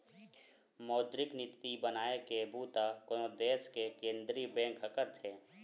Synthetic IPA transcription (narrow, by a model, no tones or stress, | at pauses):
mɔːd̪ɾɪknɪt̪ibənaːekebuːt̪akood̪eːskekẽːnd̪ɾibɛ̃ːkɦəkəɾt̪ʰeː